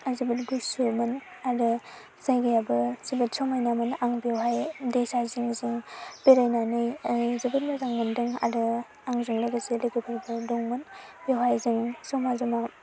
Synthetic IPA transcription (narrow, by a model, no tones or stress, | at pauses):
azibɯtɡusumɯn | adɯ | zajɡajabɯsibɯtsɔmajnamɯnaŋbewɦajdejsaziŋziŋbeɾajnanɯjzɯbɯnmazaŋmɯndɯŋa̰dɯ | aŋziŋlajɡasilajɡɯbʰɯɾbɯdɔŋmɯnbewɦajziŋsɔmazɔma